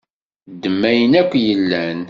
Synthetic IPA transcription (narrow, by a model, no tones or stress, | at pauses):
d̪ːəmːæjənækʷːjəlːæn